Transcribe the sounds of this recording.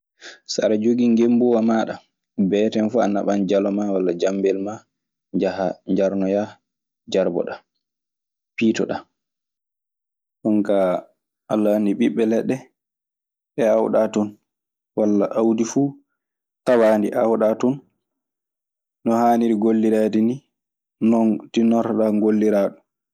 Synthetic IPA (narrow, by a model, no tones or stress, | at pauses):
sa̰ɾad͡ʒoɡiŋɡembuwamaːɗa | bɛːtɛnfuanːaɓand͡ʒalɔmawalːad͡ʒambɛlma | d͡ʒahaɲd͡ʒaɾnɔja | d͡ʒaɾbɔ̰ɗa | piːtɔɗa | ɗɔŋka | ʔalːandiɓiɓːɛlɛɗːɛ | ɓɛawɗatɔn | walːaʔawdifu | tawandiʔawɗatɔn | nɔhaːniɾiɡolːiɾaːdini | nɔntinɔɾɗaŋɡolːiɾaːɗɔ